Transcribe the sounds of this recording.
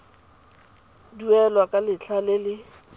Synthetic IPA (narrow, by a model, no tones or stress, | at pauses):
duɛlwakʼalɪt͡ɬʰalɪlɪ